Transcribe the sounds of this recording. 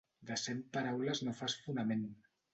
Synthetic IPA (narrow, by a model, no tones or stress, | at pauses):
d̪əsempaɾawləznofasfunəmen